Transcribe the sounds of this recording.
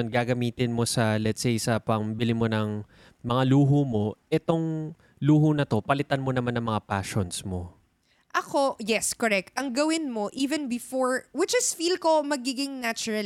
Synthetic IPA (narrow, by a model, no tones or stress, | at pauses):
nɡaːɡɐmiːt̪ɪnmo̞sɐlɛt̪sejsɐpɐŋbɪlɪmo̞nɐŋ | mɐŋaluːɦomo̞ʔɛt̪o̞ŋ | luːɦonɐt̪o̞pɐlɪt̪anmo̞nɐmanːɐŋmɐŋapaːʃonsmo̞ | ʔɐko̞jɛskoɾɛk̚t̪̚ɐŋɡɐwɪnmo̞ʔiːvɛnbɪfoɹwɪt͡ʃɪsfilko̞mɐɡiɡɪŋnat͡ʃʊɹɐl